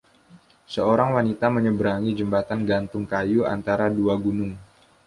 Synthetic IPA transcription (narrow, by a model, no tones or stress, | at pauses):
səoɾaŋwanit̪aməɲəbəɾaŋid͡ʒəmbat̪anɡant̪ʊŋkajua̰nt̪aɾaduaɡunʊŋ